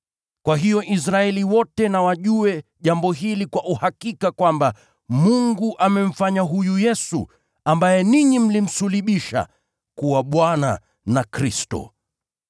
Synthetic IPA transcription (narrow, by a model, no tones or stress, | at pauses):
kwaɦijɔʔis̬ɾaɛliwɔtɛnawaʄuɛʄambɔɦilikwaʔuhakikakwamba | muŋɡuʔamɛm̩faɲaɦujujɛsṵ | ambajɛniɲim̩lim̩suliɓiʃa̰ | kuwaɓwana̰ | nakɾistɔ̰